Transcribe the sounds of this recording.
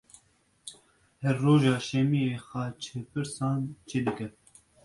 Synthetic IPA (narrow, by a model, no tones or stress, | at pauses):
hɛɾːoːʒɑːʃɛmieːxɑːt͡ʃʰepʰɨɾsɑːnt͡ʃʰeːd̪ɨkɛ